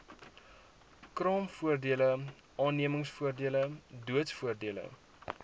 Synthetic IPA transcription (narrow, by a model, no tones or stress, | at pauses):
krɑːmfuərdiələ | ʔɑːnːiəməŋsfuərdiələduətsfuərdiələ̰